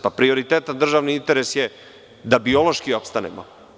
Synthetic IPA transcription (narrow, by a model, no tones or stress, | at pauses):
papɾio̞ɾit̪eːt̪and̪r̩ʒaːʋniint̪e̞ɾe̞sje | d̪abio̞lo̞ʃkio̞pst̪anḛmo